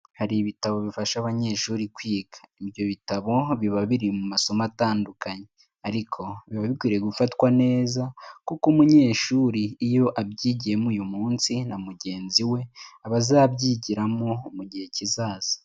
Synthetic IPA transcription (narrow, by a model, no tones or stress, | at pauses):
haɾiβitaβo̞βifaʃaβaɲe̞ːʃuːɾikwiːɡḁibjo̞βitaβo̞βiβaβiɾimumaso̞mataːndukʰaɲe̞ | aɾikʰo̞βiβaβikwiːɾeeɡufatwane̞ːzakukumuɲe̞ːʃuːɾiːjo̞ʔabɟiːɟiɾe̞mujumuːnsinamuɟe̞ːnziwe̞aβazaːbɟiːɟiɾamomuɟihe̞cizaːz̥ḁ